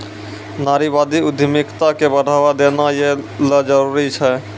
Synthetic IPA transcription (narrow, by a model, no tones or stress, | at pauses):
naːɾibaːd̪iʊd̪ʱəmɪkt̪akebəɽ̤ʱaːʋad̪enajeləd͡ʒəɾuɾit͡ʃʰɛ